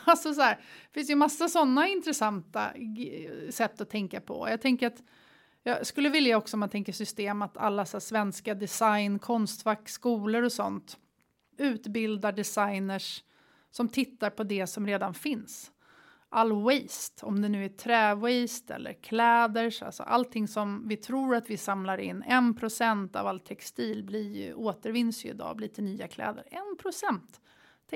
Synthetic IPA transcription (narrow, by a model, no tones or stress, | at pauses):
alsɔs̬ɔhæːɾfɪnsjɵmasːasɔnːaɪnt̪ɾɛsant̪a̰ | sɛt̪ːɔt̪ʰɛŋkapʰɔ̰jɑːt̪ʰɛŋkəɾat̪ | jɑskɵlːəvɪljaɔksɔmant̪ʰɛŋkəsʏst̪eːmat̪ʰa̰lːasæːsvɛnskad̪ɛsajnkʰɔnst̪vækskuːləɾɔsɔ̰nt̪ | ʉ̟ːt̪bɪld̪aɖɛsajnəʂ | sɔmt̪ʰɪt̪ːaɾpʰɔd̪ɛsɔmɾeːd̪anfɪns | ʔalːwɛjst̪ɔmd̪ɛnʉ̟ːæʈʰɾɛːwɛjst̪ʰɛ̰lːʔə̰ɾkʰlɛːd̪əʂa̰lsɔ̰ʔa̰lt̪ʰɪŋsɔmvɪt̪ʰɾuːɾat̪vɪsamlaɾɪ̰nːɛnpʰɾʊsɛnt̪a̰valt̪ʰɛkst̪iːlblɪɾjɵ̰ʔoːt̪əɾvɪnsjɵɪ̰d̪ɑ̰ːbliːt̪ʰənyːakʰlɛ̰ːd̪ə̰ɾɛnpʰɾʊsɛnt̪